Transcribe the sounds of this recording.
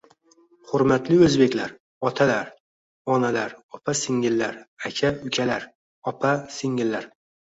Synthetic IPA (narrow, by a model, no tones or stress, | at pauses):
hʊɾmat̪lɪɵzbe̞kʲlaɾ | ɒt̪ʰalaɾ | ɒnalaɾɒpʰasɪŋɪlːaɾakʲʰaʊkʲʰalaɾ | ɒpʰasɪŋɪlːaɾ